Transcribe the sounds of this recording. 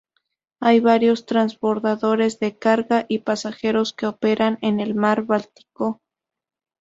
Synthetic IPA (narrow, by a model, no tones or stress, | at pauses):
ajβaɾjo̞st̪ɾanzβo̞ɾðaðo̞ɾe̞zðe̞kaɾɣaʔipasaxe̞ɾo̞ske̞ope̞ɾʔanene̞lmaɾβalt̪i̥ko